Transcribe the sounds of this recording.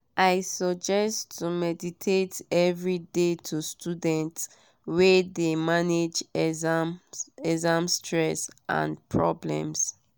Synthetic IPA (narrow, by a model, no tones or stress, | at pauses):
ʔaɪsɔd͡ʒɛstʰːumɛditʰetɛvɹidetʰustudɛ̃nt | wɛdemaned͡ʒɛzamɛzãmstʰɹɛsʔã̰npʰɹɔblɛ̰̃ms